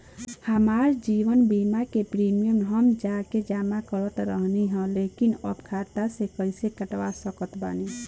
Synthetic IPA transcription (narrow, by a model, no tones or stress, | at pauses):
həmaɾd͡ʒiʋənbimakepɾimijəmɦəmd͡ʒaked͡ʒamakəɾət̪ɾəɦniɦə̃lekinəbkʰat̪asekəɪsekəʈʋasəkət̪ba̰ni